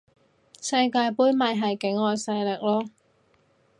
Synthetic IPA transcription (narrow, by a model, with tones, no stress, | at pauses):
sɐ˧jkaː˧jpuː˨˥jmɐ˨jɦɐ˨jkɪ˨˥ŋɔː˨˧jsɐ˧jlɪ˨k̚lɔː˥